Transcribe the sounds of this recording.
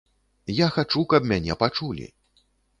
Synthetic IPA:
jaxat͡ʂukɐpmʲanʲɛpat͡ʂulʲḭ

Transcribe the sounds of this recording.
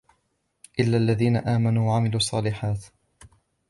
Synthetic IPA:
ʔɪlːaːʔlːaðiːnaʔaːmanuːwaʕamɪluːsˤːɑːlɪħaːt̪

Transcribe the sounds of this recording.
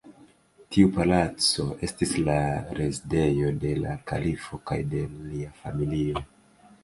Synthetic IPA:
tʰiupalat͡so̞ʔe̞stislaɾe̞zide̞jo̞de̞laka̰lifo̞ka̰jde̞liafamilio

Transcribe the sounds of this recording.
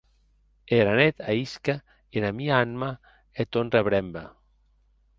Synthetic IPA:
eɾanet̪aiska | enamiaanma | et̪onreβɾɛmba

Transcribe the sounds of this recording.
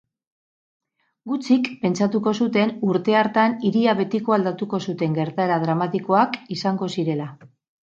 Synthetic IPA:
ɡut͡sikpe̞nt͡sat̪uko̞sut̪e̞nuɾt̪e̞aɾt̪aniɾiaβe̞t̪iko̞ald̪at̪uko̞sut̪e̞ŋɡe̞ɾt̪aeɾað̞ɾamat̪iko̞akisaŋɡo̞siɾe̞la

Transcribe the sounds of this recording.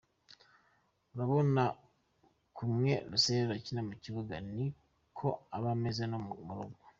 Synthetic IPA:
uɾaβo̞na | kumŋe̞ɾuseβeɾacinamuciβuɡani | kʰo̞aβamezenomuɾoɡo

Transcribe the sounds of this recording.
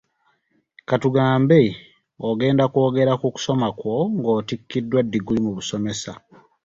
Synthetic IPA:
katuɡaːmbe | oɡe̞ːndako̞ːɡe̞ɾakuku̥so̞makwo̞ŋɡo̞ːtikːidːwadːiɡulimuβuso̞me̞sa

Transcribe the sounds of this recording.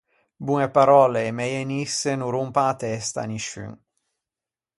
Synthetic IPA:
buŋepaɾɔleːmɛjenisːenuɾumpãat̪ɛst̪a̰niʃy̰ŋ

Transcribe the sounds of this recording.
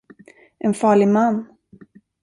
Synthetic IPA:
ʔɛnfɑːɭɪɡmanː

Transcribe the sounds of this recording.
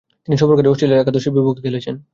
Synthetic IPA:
t̪iniʃɔboɾkaɾiɔsʈɾeleɾakad̪oʃebibok̚d̪elet͡ɕʰen

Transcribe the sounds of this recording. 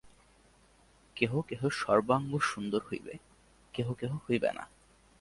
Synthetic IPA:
keɦokeɦoʃɔɾbaŋɡoʃund̪oɾhojbḛ | keɦokeɦohojbḛna̰

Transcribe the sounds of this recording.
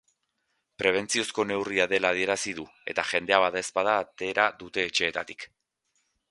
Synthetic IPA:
pɾe̞β̞e̞nt͡sio̞sko̞ne̞wriaðe̞laːð̞ie̞ɾasiðue̞t̪aʝe̞nd̪e̞aβaðaespaðaːt̪e̞ɾaðut̪e̞ːt͡ʃe̞ːt̪at̪i̥k

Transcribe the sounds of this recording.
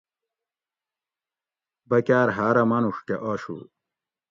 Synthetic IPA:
bɐkaːɾɦaːɾɐmɐnuʂkeʔoːɕṵl

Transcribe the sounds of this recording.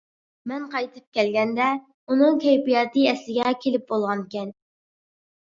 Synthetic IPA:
mɛnqʰɑjt̪ʰɨ̥p̚kʲɛlɡʲɛnd̪ɛ | unɨŋkʰʲɛjpijɑːt̪ɨɛslɪɡʲɛkʲʰelɪp̚bolˠʁɑnkʲɛn

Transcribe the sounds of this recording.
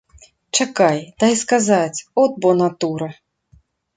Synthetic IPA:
t͡ʂakajd̪̥ajskazat͡sʲɔd̪̚bɔnat̪uɾɐ

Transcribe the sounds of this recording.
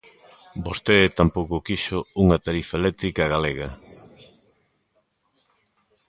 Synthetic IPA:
bost̪et̪ampowkokiʃʊuŋɐt̪aɾifaelɛk̚t̪ɾikɐɣaleɣɐ

